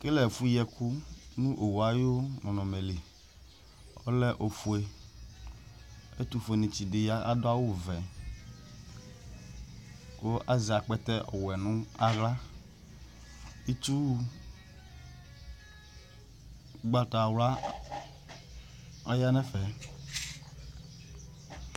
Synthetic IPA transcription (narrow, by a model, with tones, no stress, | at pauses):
ke˦lɛ˨fu˦jɛ˨ku˦nũ˦ʔo˨wu˨a˨jo˦nɔ̃˨nɔ̃˨me˨li˨ | ɔ̰˦lɛ˦ʔo˨fu˨e˨ | e˦t̪u˦fe˨nĩ˨t͡ɕi˨de˨ja˦a˦do˦a˦wo˦vɛ˨ | ko˦ʔa˦zi˨a˨k͡pɛ˦t̪ɛ˦ʔɔ̰˨wɛ˨nũ˦a˦ɣla˦ | i˦t̪u˦ | ɡ͡ba˦ta˨wla˦ | a˦ja˦nɛ̃˦fɛ˨